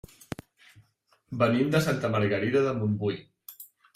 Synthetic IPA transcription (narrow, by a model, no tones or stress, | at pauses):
bənimd̪əsant̪əməɾɣəɾiðəðəmumbuj